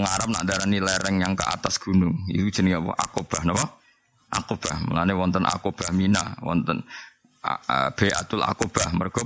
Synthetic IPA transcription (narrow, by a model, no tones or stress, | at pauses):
əŋaɾap̚na̰ʔndaɾanilɛɾɛŋjaŋkə̰ʔat̪asɡ̥unʊŋḭt̪u̥ʒ̥əniŋapɔ̰ʔa̰kob̥ahnɔwɔ | ʔa̰kob̥ahmə̰lanewɔnt̪ənʔa̰kob̥ahmina̰wɔ̰nt̪ən̰ | əb̥ea̰t̪ʊla̰kob̥ahmərɡ̥ɔ